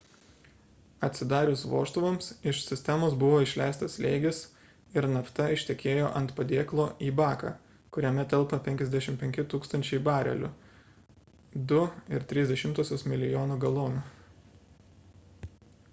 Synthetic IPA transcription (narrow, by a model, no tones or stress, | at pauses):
ɐt̪ʲsʲɪd̪ɑːɾʲʊsʋo̰ːʃt̪ʊʋoːmsɪʃsʲɪsʲt̪ʲɛmoːsbʊʋoːɪʃʲlʲæɪst̪ɐslʲeɪɡʲɪs | ɪɾnɐft̪ɐɪʃʲt̪ʲɛkʲeːjoːʔɐnt̪pɐd̪ʲeːklˠoːʔiːbɑːkɑ̰ | kʊɾʲɛmʲɛt̪ʲɛlˠpɐpʲɛŋʲkʲɛzd̪ʲæʃʲɪmpʲɛŋʲkʲɪt̪uːkst̪ɐnʲt͡ʃʲɛɪbɑːɾʲɛ̰lʲʊ | d̪ʊɪɾt̪ʲɾʲɪzʲd̪ʲɛʃʲɪmt̪oːsʲoːsmʲɪlʲɪjoːnuːɡɐlˠoːnu